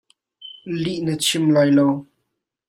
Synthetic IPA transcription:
liʔnət͡ʃʰimlajlow

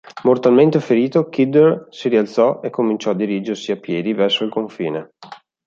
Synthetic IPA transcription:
mort̪alment̪efeɾiːt̪okid̪ersiɾialt̪sɔekʰːomint͡ʃɔad̪ːiɾiːd͡ʒersiapːjɛːd̪ivɛrsoilkoɱfḭːne

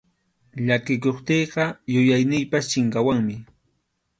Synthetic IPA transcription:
ʎakɪkoχt̪eːɢɑjʊjajnɪjpast͡ʃɪŋkawaŋmɪ

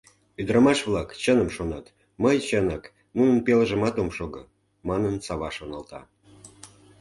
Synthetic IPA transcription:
yd̪ɾəmɑʃβlˠɑkt͡ɕənəmʃonɑt̪ | məjt͡ɕənɑk | nunənpeləʒəmɑt̪omʃoɡə | mɑnənsɑβɑʃonɑlt̪ɑ̰

